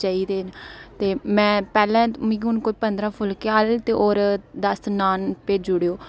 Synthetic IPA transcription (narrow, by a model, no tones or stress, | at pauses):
t͡ʃaːiːd̪eːnt̪eːmɛ̃ːpɛːlɛ̃ːmĩːʊnkoipənd̪ɾãːpʰʊlkeaːlt̪eːʔoːɾd̪əsnaːnpeːd͡ʒʊɽeːoː